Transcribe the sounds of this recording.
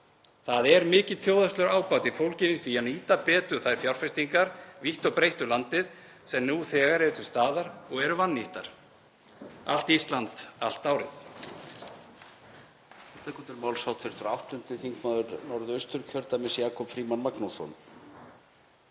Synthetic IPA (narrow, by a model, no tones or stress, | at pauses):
θaðɛɾmɪːcɪðθjowðast̪lʏɾaːwpawt̪ifowlcɪnɪsvianiːt̪apɛːt̪ʏ̥θajɾ̥fjawɾ̥fɛst̪iŋkaɾ̥viht̪ɔpɾejht̪ʏlant̪ɪð | sɛmnuθɛːɣaɾɛɾʏt̪ʰʏ̥st̪aːðaɾɔɣɛɾʏvanːiht̪aɾ̥ | a̰l̥t̪ist̪lant̪a̰l̥t̪aːwɾɪθ | θɛht̪akɔt̪ɪɾmaːwlsawt̪fɪɾ̥t̪ʏɾa̰wht̪ʏnt̪ɪθiŋkmaːðʏɾnɔɾðʏœst̪ʏɾcʰœɾt̪amɪsjaːkʰɔpfɾiːmanmaknusɔ̰n